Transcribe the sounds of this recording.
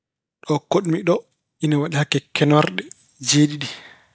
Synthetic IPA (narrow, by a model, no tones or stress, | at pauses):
ɗɔkoɗmiɗɔ | inawaɗihakːɛkɛnwaɾɗɛ | d͡ʒeːɗiɗi